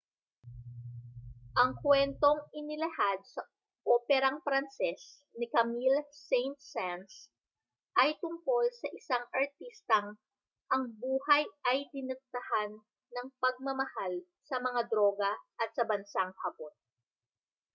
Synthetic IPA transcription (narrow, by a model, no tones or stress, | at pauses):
ʔɐŋkwɛnt̪o̞ŋʔɪnɪlɐhad̪̚sɐ | ʔopɛɾɐŋfɾɐnsɛs | nɪkɐmilsejnt̪̚sɛns | ʔɐjt̪ʊŋko̞lsɐʔɪsaŋʔɐɹt̪ist̪ɐŋ | ʔɐŋbuːhɐjʔɐjd̪ɪnɨk̚t̪ɐhanː | ɐŋpɐɡ̚mɐmɐhal | sɐmɐŋad̪ɾo̞ːɡɐʔɐt̪sɐbɐnsaŋhɐbon